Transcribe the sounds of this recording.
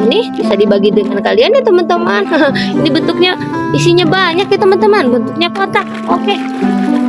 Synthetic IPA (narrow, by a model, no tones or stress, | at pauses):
nɪhb̥isadibaɡidəŋankalianːit̪əmant̪əmanəinibənt̪ʊk̚ɲa | isiɲabaɲakjt̪əmant̪əmanbənt̪ʊk̚ɲakot̪ak̚oke